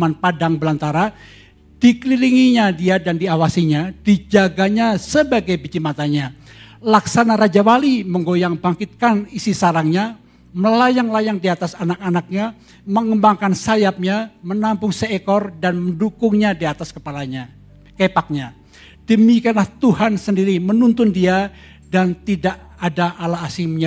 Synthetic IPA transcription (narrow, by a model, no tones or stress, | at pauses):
manpadaŋbəlant̪aɾa | d̥ikəliliŋiɲadiadandiawasiɲad̥id͡ʒaɡaɲasəbaɡajbid͡ʒimat̪aɲa | laksanaɾad͡ʒawaliməŋɡojaŋbaŋkɪt̪̚kanisisaɾaŋɲa | məlajaŋlajaŋdiat̪asanak̚anak̚ɲa | məŋəmbaŋkansajap̚ɲamənampʊŋsəekɔrdanməndukʊŋɲadiat̪askəpalaɲa | kepak̚ɲa | d̥əmikianlaht̪uhansəndiɾimənunt̪ʊndia | dant̪idaʔ | adaalaːsimɲa